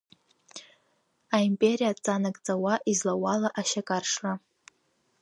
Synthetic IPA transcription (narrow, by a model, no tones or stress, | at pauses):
aimpʼeɾijat͡sʼanakʼt͡sʼawaʔizlawalaʔaʃakʼarʂra